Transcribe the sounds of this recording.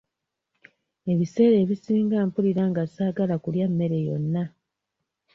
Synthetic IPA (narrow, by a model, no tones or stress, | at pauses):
e̞βise̞ːɾe̞ːβisiːŋɡaːmpuliɾaŋɡasaːɡalakuljamːe̞ɾe̞jo̞̰nːa